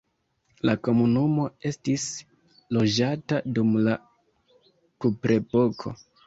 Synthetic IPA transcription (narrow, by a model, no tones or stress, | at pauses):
lako̞munumo̞e̞stis | lo̞d͡ʒatadumla | kupɾe̞po̞kʰo̞̰